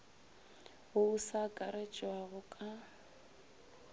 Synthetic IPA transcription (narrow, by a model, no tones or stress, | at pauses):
ɣʊusakʼaɾet͡ʃʼwaɣʊkʼa